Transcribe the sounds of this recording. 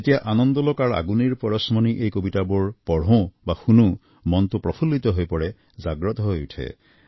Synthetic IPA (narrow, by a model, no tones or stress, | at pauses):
et̪ibaʔanɔnd̪ɔlɔkaɾa̰ɡuniɾpɔɾɔsmɔniʔejkobiʈaboɹpɔɽ̤õbaxunu | mɔnt̪upɾɔpʰulːit̪ɔɦojpɔɽe | d͡ʒaɡɾɔt̪ɔɦojuʈʰḛ